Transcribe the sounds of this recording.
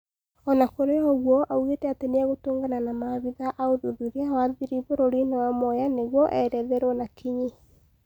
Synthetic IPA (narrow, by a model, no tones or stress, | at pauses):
ɔnakoɾeɔɣwɔʔauɣetɛateneɛɣotoːŋɡananamaβiðaʔaoðoðuɾeawaðiɾivoɾoɾinewamɔjaneɣwɔʔɛɾɛðɛɾwɔnakʰiɲi